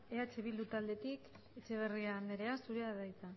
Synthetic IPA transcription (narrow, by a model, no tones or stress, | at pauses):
eat͡ʃeβild̪ut̪ald̪e̞t̪ik | et͡ʃe̞β̞eriand̪eɾe̞asuɾeaðajt͡s̪a